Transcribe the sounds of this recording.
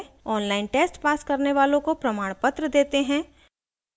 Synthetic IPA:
ɔːnlaːɪnʈeːsʈpaːskɐɾneʋaːlõkopɾɐmaːɽ̃pət̪ɾəd̪eːt̪eɦɛ̃ː

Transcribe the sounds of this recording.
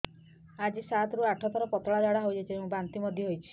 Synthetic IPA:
ad͡ʒisat̪ɾuaʈʰɔt̪ɔɾɔpɔt̪ɔɭad͡ʒaɽaɦojd͡ʒat͡ʃʰieũbant̪imɔd̪ʱjɔɦojt͡ʃʰi̥

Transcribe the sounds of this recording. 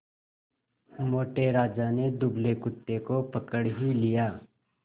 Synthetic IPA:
moːʈeɾaːd͡ʒaned̪ʊblekʊt̪ːekopəkəɽɦʊilijaː

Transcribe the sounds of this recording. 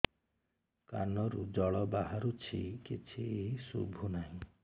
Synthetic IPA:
ka̰nɔɾud͡ʒɔɭɔbaɦaɾut͡ʃʰikit͡ʃʰisṵbʱunaɦĩ

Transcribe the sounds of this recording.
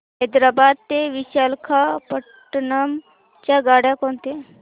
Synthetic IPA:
ɦɛd̪ɾabad̪̚t̪eʋiɕalkʰapə | ʈnam | t͡ɕjaɡaɽjakoɳt̪e

